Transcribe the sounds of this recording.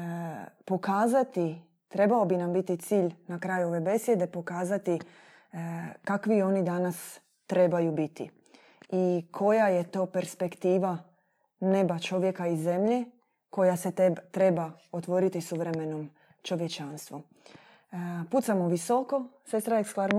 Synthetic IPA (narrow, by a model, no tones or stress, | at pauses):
po̞kaːzat̪i | t̪ɾe̞baobinambit̪it̪siːʎnakɾajuo̞ʋe̞be̞sje̞d̪e̞po̞kaːzat̪i | kakʋio̞nid̪anas | t̪ɾe̞bajubit̪ḭ | ikʰo̞jaje̞t̪o̞ːpe̞ɾspe̞kt̪iːʋa | ne̞bat͡ʃo̞ʋje̞kaizːe̞mʎe | ko̞jase̞tt̪ɾe̞bao̞t̪ʋo̞ɾit̪isuʋɾe̞me̞nom | t͡ʃo̞ʋje̞t͡ʃanst̪ʋu | put̪samoʋiso̞ko̞se̞st̪ɾaeksklaɾm